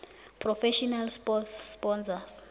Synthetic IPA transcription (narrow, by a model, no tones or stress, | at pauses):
pʰrɔfɛʃɔnalspɔsspɔnsas